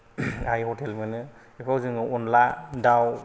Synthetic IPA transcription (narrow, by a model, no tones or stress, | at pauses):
ajhɔtʰelmanɯ | ekʰawzɯŋɯʔɔnladaw